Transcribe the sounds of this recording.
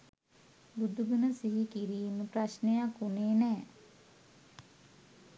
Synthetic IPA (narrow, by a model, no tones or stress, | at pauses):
bud̪ʱuɡunəsiɦikiɾiːməpraʃnejakuneːnɛː